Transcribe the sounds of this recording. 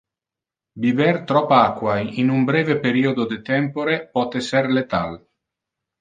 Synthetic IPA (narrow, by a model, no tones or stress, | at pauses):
bivɛrt̪ɾɔpːaakːwajinumbɾɛːvepeɾiːod̪od̪et̪ɛmpoɾepɔt̪eserlet̪a̰l